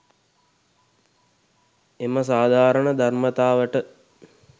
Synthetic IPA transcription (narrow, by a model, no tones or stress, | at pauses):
eməsaːd̪ʱaːɾəɳəd̪ʱarmət̪aːʋəʈə